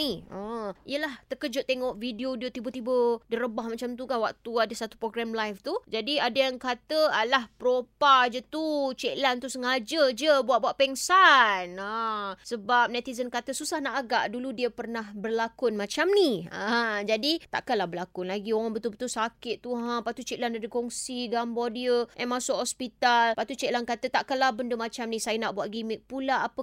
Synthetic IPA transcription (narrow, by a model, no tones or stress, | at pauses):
iəḭəlaht̪əkəd͡ʒʊʔ̪̚t̪ːeŋɔʔvidiodiot̪ibət̪ibədəɾəbahmat͡ʃamt̪ukanwak̚t̪uadəsat̪u̥pɾoɡɾamlajft̪ud͡ʒadiadajaŋkat̪əalahpəɾopad͡ʒət̪ut͡ʃɛklant̪usəŋad͡ʒəd͡ʒəbuaʔ̚buaʔpɛŋsanasəbap̚nɛt̪izənkat̪əsusahnaʔaɡaʔduludiəpərnahbərlakʊnmãt͡ʃamniãd͡ʒadit̪a̰ʔkanlahbəlakʊnlaɡioŋaŋbət̪ʊlbət̪ulsakɪʔ̪̚t̪uɦãpaʔt̪ut͡ʃɛʔlanadəkɔŋsiɡambɔdiəʔɛmãsʊkhɔspit̪alpat̪ut͡ʃɛʔlankat̪ət̪aʔkanlabəndəmat͡ʃamnĩsajənaʔbuaʔ̚ɡimɪk̚pulaːpə